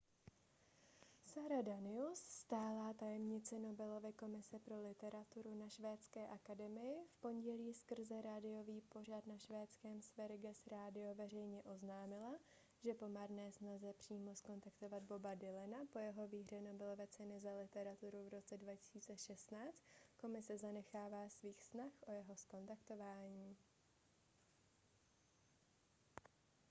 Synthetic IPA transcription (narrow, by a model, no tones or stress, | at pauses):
saɾadanɪusst̪aːlaːt̪ajɛmɲɪt͡sɛno̞bɛlo̞vɪko̞mɪsɛpɾo̞lɪt̪ɛɾat̪uɾunaʃvɛːt͡skɛːʔakadɛmɪjɪfpo̞ɲɟɛliːskr̩zɛɾadɪjo̞viːpo̞r̝ad̪naʃvɛːt͡skɛːmsvɛɾɪɡɛsɾaːdɪo̞vɛr̝ɛjɲɛʔo̞znaːmɪla | ʒɛpo̞maɾnɛːsnazɛpr̝̥iːmo̞sko̞nt̪akt̪o̞vad̪̚bo̞badɪlɛnapo̞jɛɦo̞viːɦr̝ɛno̞bɪlovɛt͡sɛnɪzalɪt̪ɛɾat̪uɾuvɾo̞t͡sɛdvacɪ̥siːt͡sɛʃɛst̪naːt͡st̪ko̞mɪsɛzanɛxaːvaːsviːxsnaxʔo̞jɛɦo̞sko̞nt̪akt̪o̞vaːɲiː